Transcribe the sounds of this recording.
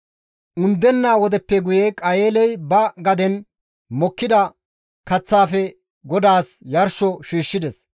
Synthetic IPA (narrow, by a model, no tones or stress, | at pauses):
ʔʊnd̪ːɛnːaːwɔd̪ɛpːɛɡʊjekʼɐjeːlɛjbɐɡɐd̪ɛn | mɔkːɪd̪ɐ | kɐt͡sːaːfɛ | ɡɔd̪aːsjɐɾʃɔʃiːʃːɪd̪ɛs